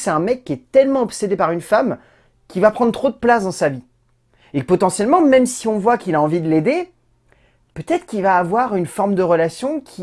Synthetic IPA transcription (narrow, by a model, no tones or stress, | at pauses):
sɛt̪ɛ̃mɛkʲːiɛt̪ɛlmɑ̃ɔpsed̪epaʁynfam | kʲilvapχɑ̃d̪ʁət̪χod̪əplasd̪ɑ̃savi | ekpɔt̪ɑ̃sjɛlmɑ̃mɛmsiɔ̃vwakilaɑ̃vid̪əled̪e | pøt̪ɛt̪χkilvaːvwaʁynfɔʁmd̪əʁəlasjɔ̃kʲʰi